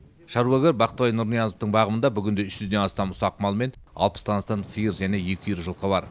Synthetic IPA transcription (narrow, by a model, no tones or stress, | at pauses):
ʃɑɾwoɡʲeɾbɑqət̪əβɑjnʊɾnijɑnoft̪əɴbɑʁəmənd̪ɑbʏɡʲɪnd̪e̞ʏʃʒʏzd̪e̞nɑst̪ɑmʊsɑqmɑlˠme̞nɑ̰lˠpə̥st̪ɑnɑst̪ɑmsəjəɾʒæne̞je̞kʲɪjɾʒəlˠqəbɑɾ